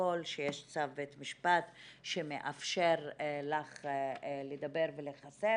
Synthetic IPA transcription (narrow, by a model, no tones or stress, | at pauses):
olʃejeʃt͡savbet̪miʃpat̪ʃemeʔafʃeʁlaχled̪abeʁveleχase